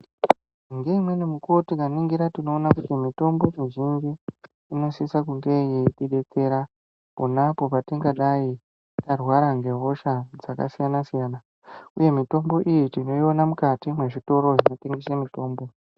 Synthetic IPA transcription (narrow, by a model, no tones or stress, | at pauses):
ŋɡe̞imwe̞nimukotikaniŋɡiɾatino̞ːnakutimito̞mbo̞miʒind͡ʒiː | no̞sisakuŋɡe̞jeiɗiɗe̞t͡se̞ɾa | ponapo̞patiŋɡaɗai | tarwaɾaŋɡe̞ɦo̞ʃad͡zaka̰sijanasijaːna | uje̞mito̞mbo̞ʔijitino̞io̞namukatimwe̞ʐito̞ɾo̞ʐino̞te̞ŋɡesamito̞ːmbo̞